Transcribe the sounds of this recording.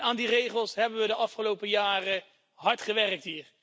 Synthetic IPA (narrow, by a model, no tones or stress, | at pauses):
aːndirejχəlˠsɦɛbənʋədəʔɑfχəlowpəjaːrə | ɦɑɹtχəʋɛrək̚tɦiːɹ